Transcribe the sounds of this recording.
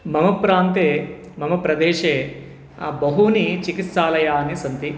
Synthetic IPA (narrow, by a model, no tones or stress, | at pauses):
mɐmɐpɾaːnt̪eː | mɐmɐpɾɐd̪ɛːʃeː | bɐɦunit͡ʃikit̪saːlɐjaːnisɐnt̪i